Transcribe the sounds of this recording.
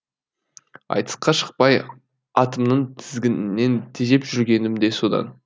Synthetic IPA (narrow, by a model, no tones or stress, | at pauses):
ɑ̰jt̪ə̥sqɑʃə̥q̚pɑj | ɑt̪əmnəɴt̪ʰɪzɡʲɪnnːe̞nt̪ʰeʒe̞pʒʏɾɡʲe̞nɪmd̪e̞so̞d̪ɑ̰n